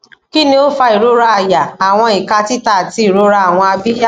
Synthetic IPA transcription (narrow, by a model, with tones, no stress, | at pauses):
ki˦nĩ˧o˦fa˧i˨ɾo˦ɾa˧a˨ja˨a˨w̃ɔ̃˧i˨ka˧ti˦ta˦˨ti˧˦i˨ɾo˨˦ɾa˧a˨w̃ɔ̃˧a˧bi˦ja˦˨